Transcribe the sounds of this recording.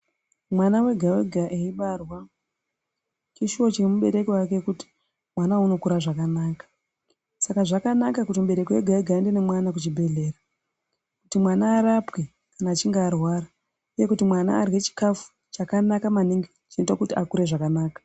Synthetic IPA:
mwanawe̞ɡʱawe̞ɡʱaʔeiɓarwa | kiʃio̞t͡ʃemuɓe̞ɾe̞kiwakekuti̥ | mwanauno̞kuɾaʐakanaːkḁ | sakaʐakanakakutimɓe̞ɾe̞kiwe̞ɡʱaweɡʱaende̞nemwanak̬ut͡ʃibʱe̞ɮe̞ːra | kutimwanaːɾapke | kanaːt͡ʃiŋɡaːrwaːra | uje̞kutimwana̰ːrwe̞t͡ʃi̥kafu̥ | t͡ʃakanakamaniŋɡi | t͡ʃinotakutiakuɾe̞ʐakanaːkḁ

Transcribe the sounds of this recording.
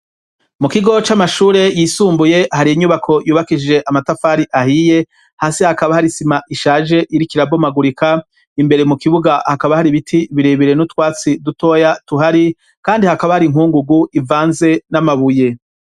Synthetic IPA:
mukiɡo̞t͡ʃamaʃuːɾe̞jiːsuːmbuje̞haɾiiɲuβakʰo̞juːβakid͡ʒe̞ʔamatafaːɾiʔahije̞ | haːsehakaβahaɾisimaʔiʃaːʒe̞ʔiɾikiɾabo̞maɡuɾikʰa | imbe̞ɾe̞mukiβuɡahakaβahaɾiβitʰiβiɾeβiɾe̞nutwaːt͡siduto̞jatuɦaɾi | kaːndihakaβahaɾiŋhuːŋɡuɡuʔivaːnze̞namaβuje̞

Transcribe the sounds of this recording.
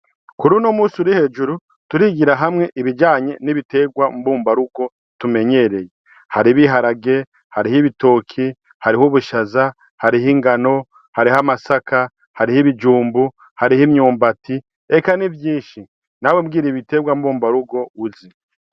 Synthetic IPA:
kuɾunomuːsuɾihe̞ːd͡ʒuɾu | tuɾiɡiɾaɦamŋe̞ʔiβiɟaːɲe̞niβite̞ɡwambuːmbaɾuɡo̞ | tume̞ɲe̞ɾe̞je | haɾiβiɦaɾaɡe̞ | haɾihiβito̞kʰi | haɾihuβuʃaza | haɾiɦiːŋɡano̞ | haɾihamasaka | haɾihiβid͡ʒuːmbu | haɾihimɲuːmbatʰi | ekanivjiːʃi | nawemɡiːɾiβite̞ɡwambuːmbaɾuɡo̞uzi

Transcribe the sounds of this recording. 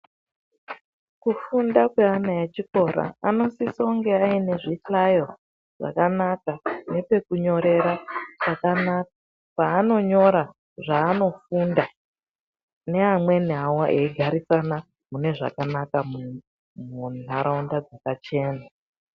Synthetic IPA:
kufundakweanajat͡ʃiko̞ɾa̰ano̞sisouŋɡe̞aine̞ʐiɬajo̞ | ʐ̥a̰kanakane̞pe̞kuɲo̞ɾe̞ɾapakanaka | paːno̞ɲo̞ɾa | ʐaːno̞funda | ne̞amwe̞nawoʔeiɡʱaɾisana | mune̞ʐa̰kanakamu | mun̤aɾaundad͡zakat͡ʃe̞ːna

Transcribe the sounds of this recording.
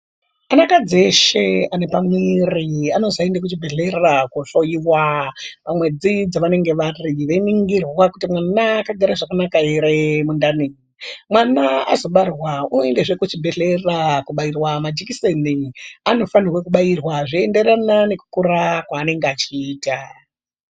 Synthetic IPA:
anakad͡ze̞ʃe̞ane̞pamiriano̞zaendekut͡ʃibʱe̞ɮe̞rakoʃojiʋwapamwe̞d͡zid͡zaʋane̞ŋɡe̞ʋariʋeiniŋɡirwakutimwanaːkaɡʱaɾaʐakanakaiɾemundani | mwanaa̰zo̞ɓarwauendeʐekut͡ʃibʱe̞ɮerakuɓairwamad͡ʒikiseniano̞fanirwekuɓairwaʐiende̞ɾanane̞ku̥kuɾakwaːne̞ŋɡeat͡ʃiːta

